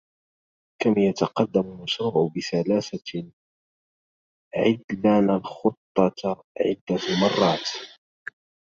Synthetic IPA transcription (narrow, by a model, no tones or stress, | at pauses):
kamjat̪ɑqɑd̪ːamʊlmaʃɾuːʕʊbɪsalaːsa | ʕɪd̪lanalxʊt̪ˤːɑt̪ | ʕɪ̰d̪ːalmɑrˤːɑːt̪